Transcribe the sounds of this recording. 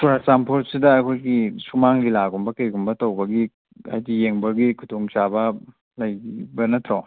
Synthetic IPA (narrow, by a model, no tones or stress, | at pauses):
suɾasampʰoɾsidɐːkʰojɡisumaŋlilaɡumbɐkɐjɡumbɐtowbɐɡi | a̰jdijeŋbɐɡikʰutoŋt͡ʃabɐ | lɐjibɐnɐtʰɾo